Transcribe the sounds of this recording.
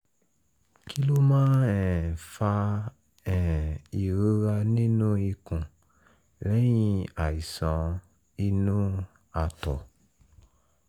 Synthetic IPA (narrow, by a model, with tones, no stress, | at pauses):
ki˦lo˦mãː˦ɛ̃˨fa˧ | ɛ̃˨i˨ɾo˦ɾa˧nĩ˦nũ˦i˧kũ˨ | ɾɛ̃˦j̃ĩ˧a˨i˨sã˨˦ | i˧nũ˦ | a˨tɔ˨